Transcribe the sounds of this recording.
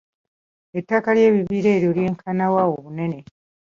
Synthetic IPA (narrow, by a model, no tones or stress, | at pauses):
etːakalje̞ːβiβiːɾe̞ːɾjolje̞ːŋkʰanawawoβune̞ne̞